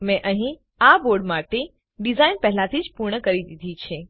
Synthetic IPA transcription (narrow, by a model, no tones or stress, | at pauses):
mɛ̃ʔəɦĩ | aboɾɖmaʈe | ɖizainpɛɦlat̪ʰid͡ʒpuɾɳəkəɾid̪id̪ʱit͡ʃʰe